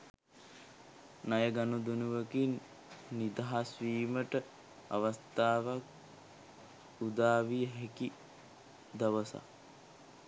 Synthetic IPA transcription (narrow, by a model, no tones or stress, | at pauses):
najəɡanud̪unuʋəkinː | id̪aɦasʋiːməʈə | a̰ʋəst̪aːʋak | ud̪aːʋijəɦeki | d̪ɐʋəsa̰